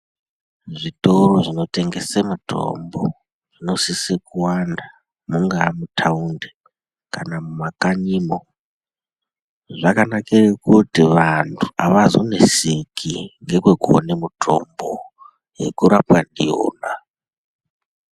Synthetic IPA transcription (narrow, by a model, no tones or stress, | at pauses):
ʐitoɾo̞ʐino̞te̞ŋɡe̞semutʰo̞̰mbo | ʐ̥ino̞sisekuwanda | muŋɡamutʰaunde | kanamumakaɲiːmo | ʐakanakerekutiʋantʰu̥aʋazo̰nesikʰiŋɡe̞kwekuonemutʰo̰mbo | je̞̰kuɾapwandijo̰ːna